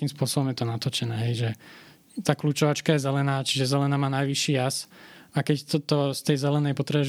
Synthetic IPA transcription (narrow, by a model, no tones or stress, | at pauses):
kiːmspʊɔsɔbɔmjɛt̪ɔnat̪ɔt͡ʃɛnɛːɦɛjʒɛ | t̪aːkluːt͡ʃɔʋat͡ʃkajɛzɛlɛnaːt͡ʃiʒɛzɛlɛnaːmaːnajʋiʃːiːasakɛct̪t̪ɔst̪ɛjzɛlɛnɛjpɔt̪ɾɛɛ